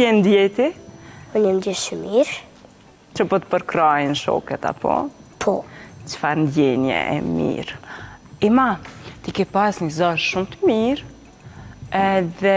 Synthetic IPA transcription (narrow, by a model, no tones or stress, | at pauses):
jɛnd̪jɛt̪iɔɲənd̪iʃt͡ʃəmiɾ | t͡ʃəpɔt̪ə̥pəɾkɾajinʃɔ̰kɛt̪a̰pʰɔ̰pʰɔt͡ʃfaɾnd̪jɛnjɛ̰ʔɛ̰mḭɾ | imat̪ikɛpasɲəzaʃʃumt̪əmiɾ | ɛðɛ